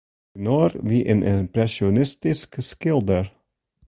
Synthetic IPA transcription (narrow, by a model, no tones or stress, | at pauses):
nɔɾʋiːʔɪ̰̃nʔɪmpɾɛʃɔnɪst̪ɪskskɪlˠd̪əɹ